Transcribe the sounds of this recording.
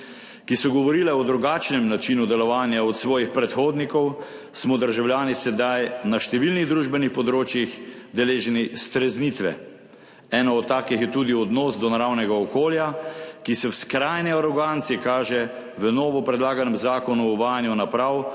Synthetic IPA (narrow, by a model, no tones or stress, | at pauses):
kisɔɡɔʋɔɾilɛɔd̪ɾuɡaːt͡ʃnɛmnat͡ʃinud̪ɛlɔʋaːnjaɔt̪sʋɔːjixpɾɛt̪xoːd̪nikɔw | smɔd̪əɾʒawljaːnisɛd̪ajnaʃt̪ɛʋilniɣd̪ɾuːʒbɛnixpɔd̪ɾoːt͡ʃjixd̪ɛleːʒɛnist̪ɾɛznit̪ʋɛ̰ | ɛːnɔɔt̪ːaːkixjɛt̪ud̪iɔd̪nɔːsd̪ɔnaɾawnɛɡaɔkoːljakisɛwskɾajnɛaɾɔɡant̪siɛkaːʒɛ | ʋənɔːʋɔpɾɛd̪laːɡanɛmzaːkɔnuːʋaːjanjunapɾaw